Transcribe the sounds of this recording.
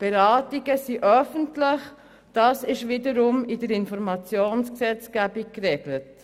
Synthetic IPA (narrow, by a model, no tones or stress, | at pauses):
b̥eɾɑːtiɡəsiʔœfəntlɪχ | d̥ɑːsɪʃʋɪdəɾʊmɪdəɾɪnfɔɾmɑt͡sjoːnsksɛt͡skæbik̚krɛɡlət